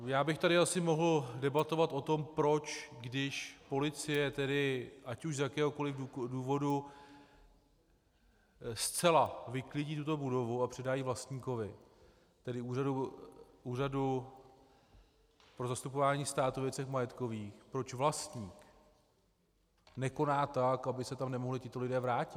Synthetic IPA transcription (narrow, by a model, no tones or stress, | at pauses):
jaːbɪxt̪aɾɪasɪmo̞ɦl̩dɛbat̪o̞vat̪ʔo̞t̪o̞mpɾo̞t͡ʃɡdɪʃpo̞lɪt͡sɪjɛt̪ɛdɪʔacuʃzjakɛːɦo̞ko̞lɪfuduːvo̞du | st͡sɛlavɪklɪɟiːt̪̬ut̪o̞budo̞vuapr̝̥ɛdaːjiːvlast̪ɲiːko̞vɪ | t̪ɛdɪuːradu | uːradu | pɾo̞zast̪upovaːɲiːst̪aːt̪uvjɛt͡sɛxmajɛt̪ko̞viːxpɾo̞t͡ʃvlast̪ɲiːk | nɛko̞naːt̪akabɪsɛt̪amnɛmoɦlɪcɪt̪o̞lɪdɛːvɾaːcɪt̪